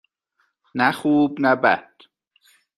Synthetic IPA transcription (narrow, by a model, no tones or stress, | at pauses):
næχuːbnæbæ̰d̪̥